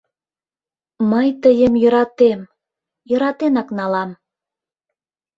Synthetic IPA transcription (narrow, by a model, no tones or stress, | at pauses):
məjt̪əjəmjø̆ɾɑt̪em | jə̆ɾɑt̪enɑknɑlɑm